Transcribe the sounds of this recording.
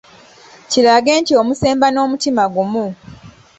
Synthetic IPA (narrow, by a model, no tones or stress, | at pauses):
cilaɡe̞ːntio̞muse̞ːmbano̞ːmutimaɡumu